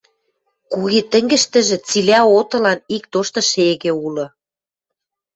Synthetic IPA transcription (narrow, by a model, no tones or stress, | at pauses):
kuɣet̪ə̆ŋɡɘ̆ʃt̪ə̆ʒĕt͡silʲæot̪ɤ̆lɑnik̚t̪oʃt̪ɤ̆ʃeɣĕulɤ̆